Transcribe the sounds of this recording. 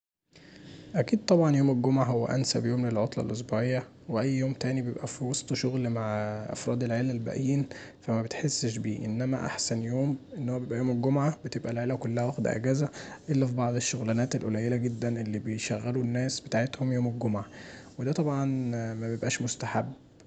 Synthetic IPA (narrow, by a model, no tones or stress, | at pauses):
ʔækiːd̪̚t̪ˤɑbʕɑnjoːmelɡomʕaɦowːæ̰ʔæ̰nsæbjoːmlelʕot̪ˤlɑ̰lʔos̬buʕejːæ | weʔæjːjoːmt̪æːnibejebʔæfiwɑsˤt̪ˤʃoɣlmaʕʔɑ̰fɾˤɑːd̪elʕelælbæ̰ʔjiːnfæmæbet̪ħesːʃbiːʔḛnːæmæ̰ʔa̰ħsænjoːmʔenːhowːæbjebʔæjoːmelɡomʕabet̪ebʔælʕelækolːæhæwæxd̪æ̰ʔæ̰ɡæːzæʔelːæfibɑʕd̪ˤeʃːoɣlænæːt̪elʔolæjelæɡed̪ːænʔelːibejʃæɣːælunːæːsbet̪aːʕet̪homjoːmelɡomʕawed̪æt̪ˤɑbʕɑnmæbejebʔæːʃmost̪aħabː